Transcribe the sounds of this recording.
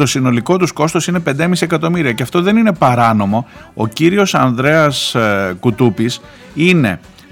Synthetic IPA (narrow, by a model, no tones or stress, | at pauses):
t̪o̞sino̞liko̞t̪usko̞st̪o̞sine̞pe̞nd̪emisie̞kɐt̪o̞miɾiɐceɐft̪o̞ðe̞nine̞pɐɾɐno̞mo̞ | ociɾio̞sɐnðɾe̞ɐskut̪upis | ine̞̰